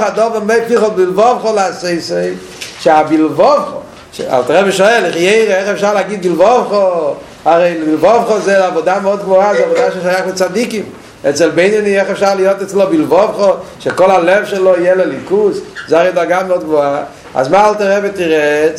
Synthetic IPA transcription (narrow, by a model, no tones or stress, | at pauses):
χadɔbemepiχɔlˠbilˠvɔvχɔlɪaseɪseɪ | ʃabilˠvɔvχo | ʃa̰lˠtaʁɛbəʃɔɛliχjeɪʁeɛχɛfʃaʁlaɡid̚bilvɔvχɔ | aʁeɪnilvɔvχɔzelavɔdamɔdɡmɔazavodaʃ̬eʃajaχmɪt͡sadikim | ɛt͡sɛlˠbeɪnɔniɛχɛfʃaʁlɪjotɛt͡slˠobilˠvɔvχɔʃɛkɔlˠalɛvʃɛlˠoijɛlɛlikuszaʁedaɡamɔd̚ɡvoa | a̰zmaːalˠtaʁɛbetiʁɛt